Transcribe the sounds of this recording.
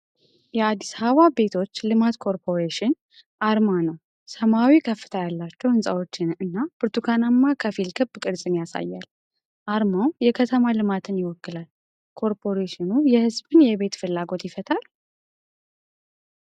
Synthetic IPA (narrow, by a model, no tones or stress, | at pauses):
jɛad̪ːisaβabe̞t̪ʰo̞t͡ʃːlɨmat̪kʰo̞ɾpʰo̞ɾeʃɪn | ʔaɾmanəw | səmawikʰəfːɨ̥t̪ʰajalːat͡ʃːɛwhɨnsʼawo̞t͡ʃːɪnɨnːabɨɾt̪ʰukʰanamːakʰəfilkʰɨbkʼɨɾsʼɨnjasa̰jːa̰l | ʔaɾmawjɛkʰət̪ʰəmalɨmat̪ʰɨnjɪwɔkːɨlal | kʰo̞ɾpʰo̞ɾeʃɪnujɛhɨzbɨnjɛβe̞t̪fɨlːaɡo̞t̪jɪfət̪ʰal